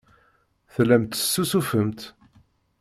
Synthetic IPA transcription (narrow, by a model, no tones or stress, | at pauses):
θlːæmt̪ə̥sːusufəmt̪